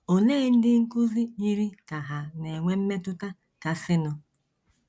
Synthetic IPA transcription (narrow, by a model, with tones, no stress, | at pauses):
o˨neː˦n̩˦dɪ˦ŋ̩˦ku˦zi˦ɲi˦ɾi˦ka˨ɦa˨ne˨ŋʷe˦m̩˦me˦tʊ˦ta˦ | ka˨sɪ˦nʊ˨